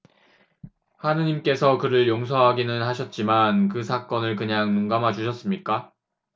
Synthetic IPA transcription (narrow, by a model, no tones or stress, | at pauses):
hanɯɲimk͈e̞sʰʌkɯɾɯɭjoŋs̬ʰʌɦaɡinɯnɦaɕʰʌt̚t͡ɕ͈imankɯsʰak͈ʌnɯɭkɯɲaŋnuŋɡamɦat͡ɕuɕʰʌs͈ɯmɲik͈a